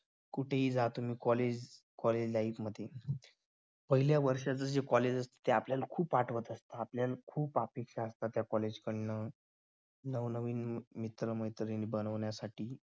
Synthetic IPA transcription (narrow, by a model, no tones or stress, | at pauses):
kuʈʰeɦiːd͡zat̪um̤iːkɔled͡ʑkɔled͡ʑlaikməd̪ʱːje | pəɦiljaʋəɾʂat͡səd͡ʑekɔled͡ʑəst̪e̥t̪eapljalkʰuːpaʈʰʋət̪əst̪aːpljalkʰuːpapekʂaəst̪at̪jakɔled͡ʑkəɽnə | nəʋnəʋiːnmit̪ɾəməjt̪ɾinbənəʋɳjasaʈʰiː